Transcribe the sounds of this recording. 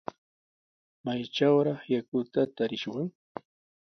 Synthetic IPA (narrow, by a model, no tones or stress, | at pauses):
majt͡ʃawɾɑχjakʊt̪at̪aɾɪʃwaŋ